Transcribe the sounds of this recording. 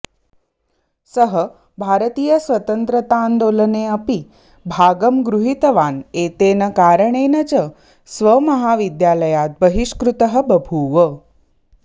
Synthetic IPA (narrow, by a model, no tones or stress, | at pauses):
səɦə | bʱaɾət̪iːjəsʋət̪ənt̪ɾət̪and̪oləneəpi | bʱaɡəmɡɾuɦit̪əʋanet̪enəkaɾəɳenət͡ʃə | sʋəməɦaʋid̪jaləjat̪̚bəɦiʃkɾut̪əɦə̆bəbʱuːʋə